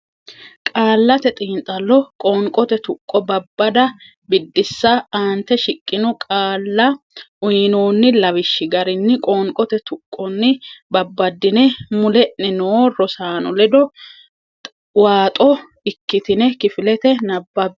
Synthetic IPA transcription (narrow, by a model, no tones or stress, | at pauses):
kʼaːlːɐt̪ɛt̪ʼiːnt̪ʼɐlːɔkʼɔːŋkʼɔt̪ɛt̪ʊkʼːɔbɐbːɐd̪ɐ | bɪd̪ːɪsːɐaːnt̪ɛʃɪkʼːɪnʊkʼaːlːɐ | ʊjnoːnːɪlɐwɪʃːɪɡɐɾɪnːɪkʼoːŋkʼɔt̪ɛt̪ʊkʼːɔnːɪbɐbːɐd̪ːɪnɛmʊlɛʔɛnoːrɔsaːnɔlɛd̪ɔ | waːt̪ʼɔ | ɪkːɪt̪ɪnɛkɪfɪlɛt̪ɛnɐbːɐb